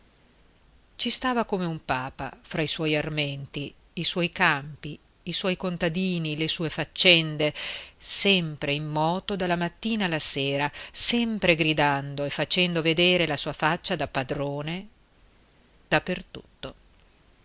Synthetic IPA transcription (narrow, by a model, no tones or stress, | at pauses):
t͡ʃist̪aːvakomeumpaːpa̰fɾaiswɔjarmɛnt̪iː | swɔjkampiː | swɔjkont̪ad̪iːnilesuːefat͡ʃːɛnd̪esɛmpɾeimːɔːt̪od̪alːamat̪ːiːnaːlaseːɾasɛmpɾeɡɾid̪and̪oefat͡ʃɛnd̪oved̪eːɾelasuːafat͡ʃːad̪apːad̪ɾoːne | d̪̥apːert̪u̥̰t̪ːo